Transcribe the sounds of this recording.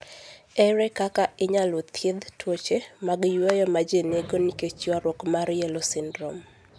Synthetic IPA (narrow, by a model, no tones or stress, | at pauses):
ɛɾɛkakaɪɲalot̪ʰjed̪twot͡ʃemaɡjwɔjɔmad͡ʒeneɡoniket͡ʃwaɾwɔkmaɾjɛlosɪndɾɔm